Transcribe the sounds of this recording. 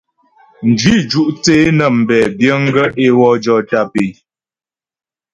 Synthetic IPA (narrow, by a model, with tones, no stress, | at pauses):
n̩˨dɥi˦d͡ʒu˦ʔt͡seː˦nə˨m̩˨bɛ˨bjə˦ŋ˦ɡə˦ʔe˦wɔ˦d͡ʒɔ˦ta˦pe˨